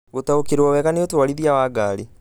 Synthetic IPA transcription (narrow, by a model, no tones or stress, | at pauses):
ɣotaokeɾwɔwɛɣaneotowaɾiðiawaːɡaɾe